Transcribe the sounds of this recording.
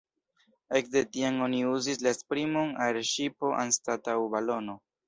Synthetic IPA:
e̞kde̞tiano̞niuzis̬laespɾimo̞naɾeʃipo̞ʔa̰nstatawbalo̞no̞

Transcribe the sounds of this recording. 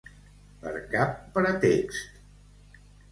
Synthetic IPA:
pə̰ɾkapːəɾət̪ekst̪

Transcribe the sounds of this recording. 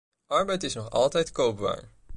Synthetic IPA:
ʔɑɹbɛjtɪsnɔχɑ̰lˠtɛjtkowp̚ba̰ːɹ

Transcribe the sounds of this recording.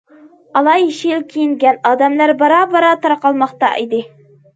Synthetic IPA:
ɑlˠɑjiʃilkʲʰijɪŋɡʲænɑd̪æmlæɾbɑɾɑbɑɾɑt̪ɑɾqɑlˠmɑqt̪ɑ̰ʔid̪ɪ

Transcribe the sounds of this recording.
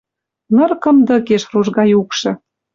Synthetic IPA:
nɤ̆rkɤ̆md̪ə̆keʃruʒɣɑjukʃɤ̆

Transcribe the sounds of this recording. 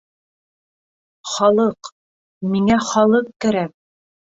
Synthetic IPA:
χɑlˠɤq | miŋæχɒlˠɤq̚kæɾæk̚

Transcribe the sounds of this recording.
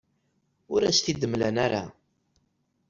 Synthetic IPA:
ʊɾæsθid̪əmlænaɾa̰

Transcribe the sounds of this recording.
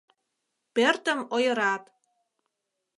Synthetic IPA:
pert̪ə̆mojɤ̆ɾɑt̪

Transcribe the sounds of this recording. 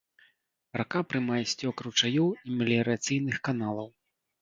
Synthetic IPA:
rʔakapɾɨmajɛsʲt͡sʲɔkɾut͡ʂajɔwimʲɛlʲɛɾat̪sɨjnɨxkanalˠɐw

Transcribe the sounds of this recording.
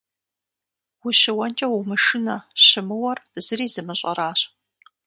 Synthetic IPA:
wʊɕɪwɐnt͡ʃʼɐwʊmɨʂɪnɐɕɪmɨwɐrz̥ɨriːzɨmɨɕʼɐ̰ɾaːɕ

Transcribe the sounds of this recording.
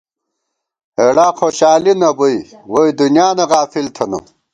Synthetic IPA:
eɽaːxoːɕaːlinɐboiwoid̪unjaːnɐʁaːfilt̪ʰɐno̰

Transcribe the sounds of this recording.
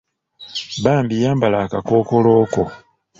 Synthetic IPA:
baːmbijaːmbalaːkakoːkoloːko

